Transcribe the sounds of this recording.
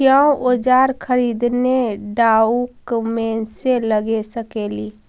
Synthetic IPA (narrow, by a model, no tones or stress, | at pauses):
jəũʔod͡ʒaɾkʰəɾid̪neɖaukmeseləɡesəkeli